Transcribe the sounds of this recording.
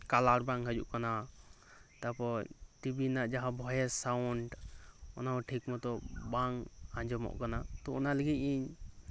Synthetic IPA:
kalaɾbaŋɦəd͡ʒṵʔkana | t̪apɔt̪ibinaʔd͡ʒaɦãbʱɔjɛsawwɳʈɔnaɔʈʰikmɔt̪ɔbaŋãɲd͡ʒɔmɔ̰ʔkanat̪ɔɔnaləɡit̪̚ˀiɲ

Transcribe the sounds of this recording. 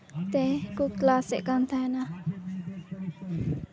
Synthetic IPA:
t̪ekuklaseʔkant̪ʰana

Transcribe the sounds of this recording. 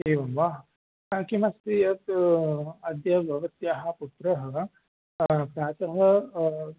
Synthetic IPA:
eːʋɐmʋaː | kimɐst̪ijɐt̪ | ɐd̪ʱjɐbʱɐʋɐt̪jaːɦɐ̆put̪ɾɐɦɐ | pɾaːt͡ʃɐɦɐ

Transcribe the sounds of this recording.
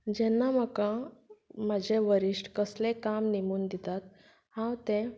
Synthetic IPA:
d͡ʑɛnːaməkã | mad͡ʑʱeʋəɾiʂʈkəslẽkamnimuːnd̪it̪at̪̚ | hãwt̪ẽ

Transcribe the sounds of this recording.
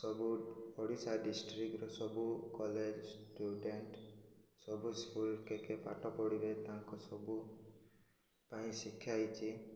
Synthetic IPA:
sɔbuɔɽisaɖisʈɾikɾɔsɔbukɔled͡ʒsʈuɖeɳʈsɔbuskulkekepaʈɔpɔɽiɾet̪aŋkusɔbu | paĩsikʰːjajt͡ʃʰi

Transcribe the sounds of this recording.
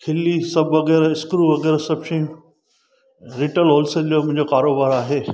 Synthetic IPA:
kʰɪlːisɐbʋɐɣɛːɾɪskɾuːʋɐɣɛːɾsɐbʃɐ̃ũ | ɾɪʈəlɦoːlsəlijomʊ̃ɦɪ̃ɲd͡ʑokaːɾoːbaːɾaːɦeː

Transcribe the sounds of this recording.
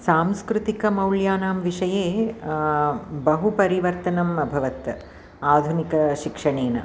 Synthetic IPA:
saːmskɾut̪ikɐmɐwljaːnaːmʋiʂɐjeː | bɐɦupɐɾiʋɐɾt̪ɐnɐmɐbʱɐʋɐt̪ | aːd̪ʱunikɐʃikʂɐɳeːnɐ̰

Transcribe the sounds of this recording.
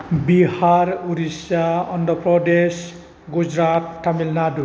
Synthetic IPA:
bihaɾuɾisaɔndʱɔpɾɔdes | ɡud͡ʒɾatːʰamilnadu

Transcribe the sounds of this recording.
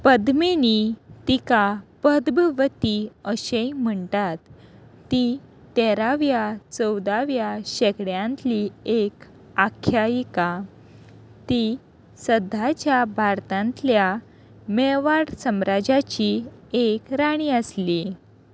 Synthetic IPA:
pəd̪menit̪ikapəd̪bʋət̪iəɕejm̤əɳt̪at̪ː | i | t̪eɛɾaʋjat͡səwd̪aʋjaɕekɽjãnt̪liek | akʰːjajika | t̪i | səd̪ʱːat͡ɕjabʱaɾt̪ãnt̪lja | meʋaɽsəmɾad͡ʑat͡ɕiekɾaɽ̃iːəsli

